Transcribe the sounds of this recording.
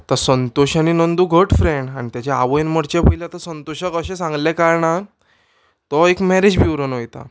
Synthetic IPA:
at̪asənt̪oɕañinənd̪uɡʱəʈfɾeɳɖañit̪jat͡ɕeaʋəjnməɽt͡ɕepəileat̪asənt̪oɕəkəɕẽsãŋɡlɛkaɾɳa | t̪ɔekmɛɾed͡ʑbiwɾənojt̪a̰

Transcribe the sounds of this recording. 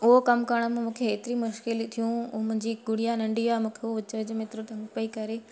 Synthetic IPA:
ʊɦokɐmkɐɾəɽ̃mẽmũːkʰeːt̪ɪɾimʊʃkɪlt̪ʰijũmʊ̃ɦɪ̃ɲd͡ʑiɡʊɽ̤ijanɐ̃ɳɖiaːmũːkʰeoʋɪt͡ɕʋəd͡ʑmɪt̪ɾut̪ɐ̃ŋɡpɐikɐɾeː

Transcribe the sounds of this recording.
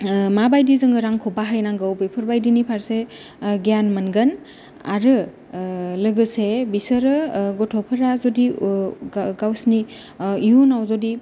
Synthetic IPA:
mabajdizɯŋɡɯɾaŋkʰɔbaɦajnaŋɡɯwbejpʰɯɾbajdinipʰaɾse | ɡjanmənɡən | a̰ɾɯ | lɯɡɯsebisəɾɯɡɔtʰɔpʰəɾazodi | ɡawsni | iunawzodi

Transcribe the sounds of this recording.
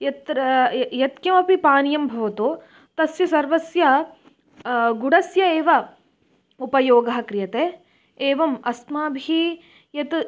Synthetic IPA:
jɐt̪ɾɐjɐt̪kjɐmɐpipaːnjɐmbʱɐʋɐt̪oː | t̪ɐsjɐsɐɾʋɐsjɐ | ɡuɽɐsjɐeːʋɐ | upɐjoːɡɐɦɐ̆kɾɪjɐt̪eː | eːʋɐmɐsmaːbʱiː | jɐt̪

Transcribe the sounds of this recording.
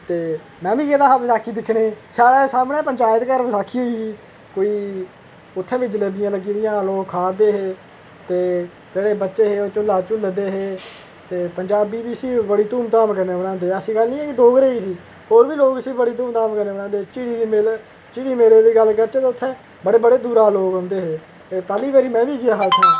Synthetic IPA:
t̪eː | mɛ̃ːʋiːkeːd̪aːɦapsaːkʰiːd̪ɪkʰːɽeːsaːɽeːsaːmɽẽːpəɲt͡ʃaːjət̪kəɾsaːkʰiːɦoːisiː | koːiː | ʊt̪ʰːɛ̃ːʋɪt͡ʃləɡɪjãːləɡiːd̪ɪjãːloːkkʰaːd̪eːɦeː | t̪eː | d͡ʒeːɽeːbətːʃeːɦeːoːt͡ʃʊlːaːt͡ʃʊld̪eːɦeː | t̪eːpəɲd͡ʒaːbiːʋiːəsiːbəɽiːt̪uːmt̪aːmkəɾneːbəɽãːnd̪eːəsĩːɡəlnĩːɛːkɪɖoːɡɾeːiːsiː | hoːɾʋiːloːɡəsiːbəɽiːt̪̬uːmt̪aːmkəɾnẽːənãːd̪eːt͡ʃiːɽiːiːmel | t͡ʃiːɽiːmeːleːd̪iːɡəlkəɾt͡ʃːt̪eːʊt̪ʰːɛ̃ː | bəɽeːbəɽeːd̪uːɾaːloːɡɦʊ̃nd̪eːɦeː | pɛːliːʋaːɾiːmɛ̃ːʋiːɡɪjaːɦaːʊt̪ʰːẽː

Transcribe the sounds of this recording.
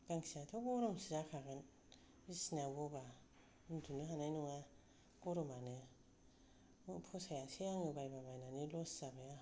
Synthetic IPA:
ɡ̥aŋsiatʰɔɡɔɾɔmsizakʰaɡɯn | isnabɔba | ndunɯɦanajnuŋa | ɡɔɾɔmanɯ | pʰɔsajasejaŋɯbajbabajnanilɔszabaja

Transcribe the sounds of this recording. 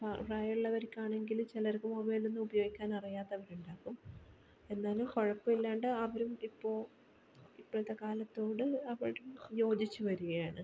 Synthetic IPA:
paraːjɐɭɭːɐʋɐɾikʲːaːɳe̞ŋɡilt͡ɕilɐɾkːɨmobɐːilnenːɨubɐjo̞ːɡikʲːaːnɐrijaːt̪ːɐʋɐɾuɳɖaːkːum | e̞nːaːlumko̞ɻɐpːɐmilːaːɳɖɨɐʋɐɾumipːo̞ːɭ | ipːoːɭit̪ːekaːlɐt̪ːo̞ːɽɨɐʋɐɭɾumjo̞ːd͡ʑit͡ɕːuʋɐɾuɣɐjaːɳɨ

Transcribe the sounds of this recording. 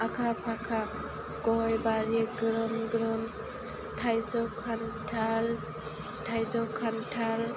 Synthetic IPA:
akʰapʰakʰa | ɡɔɦɔjbaɾiɡɾɔmɡɾɯn | tʰajzɔkʰantʰal | tʰajzɔkʰantʰal

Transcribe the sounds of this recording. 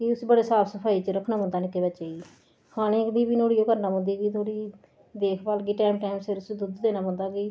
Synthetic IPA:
kɪʊsbəɽeːsaːpʰsəpʰaːiːt͡ʃəɾəkʰnãːbə̃nd̪aːnɪkːeːbət͡ʃaːiː | kʰaːɽ̃ẽːkd̪iːbiːnoːɽiːoːkəɾnãːbõːnd̪iːɡiːt̪ʰoːɽiː | d̪eːkʰbaːlɡiːʈɛːmʈɛːmseɾʊsd̪ʊd̪d̪eːnaːbə̃nd̪aːɡiː

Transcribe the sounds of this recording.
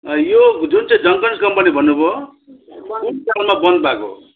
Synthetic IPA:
jod͡zunt͡sãĩd͡zʌŋkʌnskʌmpʌnibʱʌnːubʱo | unkalmabʌnd̪̚bʱako̰

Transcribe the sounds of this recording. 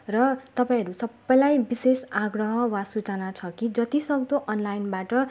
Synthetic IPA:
rʌt̪ʌpaĩɦʌɾusʌbːʌjlajbisesaɡrʌɦʌwasut͡sʌnat͡sʰʌkid͡zʌt̪isʌk̚d̪oʔʌnlajnbaʈʌ

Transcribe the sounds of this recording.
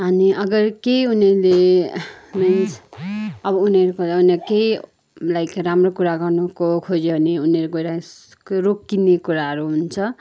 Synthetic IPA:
ɦʌniʔʌɡʌrkejuneɾle | mans | ʌbʌuneɾukouneɾkej | lajkramrokuɾaɡʌrnukokʰod͡zeɦʌniuneɾukoɾa | rokːinekuɾaɦʌɾuɦunt͡sʰʌ

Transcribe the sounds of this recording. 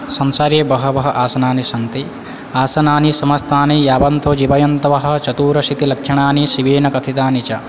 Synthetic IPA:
sɐnsaːɾjeːbɐɦɐ̆bɐɦɐ̆ʔaːsɐnaːniʃɐnt̪i | aːsɐnaːnisɐmɐst̪aːnijaːbɐnt̪od͡ʒibɐjɐnt̪ɐʋɐɦɐ̆t͡ʃɐt̪uːɾɐʃit̪ilɐkʃɐɳaːniʃiʋeːnɐkɐt̪ʰit̪aːnit͡ʃɐ

